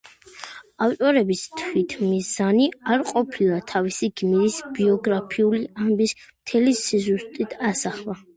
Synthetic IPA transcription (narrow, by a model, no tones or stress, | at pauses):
aft̪ʼɔɾɛbist̪ʰwit̪ʰmizaniaɾqʼɔpʰilˠat̪ʰavisiɡmiɾisbiɔɡɾapʰiuliambismt̪ʰɛlisizust̪ʼit̪ʰasaχlˠa